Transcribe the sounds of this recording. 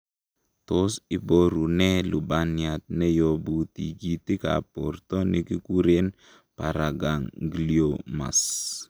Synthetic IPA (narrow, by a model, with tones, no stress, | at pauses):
to˦sɪ˦bo˦ɾu˨nɛ˦lu˨ba˨nja˨t̚nɛ˦jo˨bu˨tḭ˨ɡi˦ti˦ka̰˨pɔ̰˨rtɔ˦ne˦ki˦ku˦ɾe˦n | pa˨ɾa˨ɡa˨ŋɡi˨lio˨ma̰˨s